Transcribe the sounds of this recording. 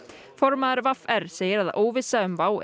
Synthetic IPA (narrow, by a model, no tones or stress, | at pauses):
fɔɾmaðaɾvafɛɾ̥seːjɪɾaðoːwvɪsaʏmvaːw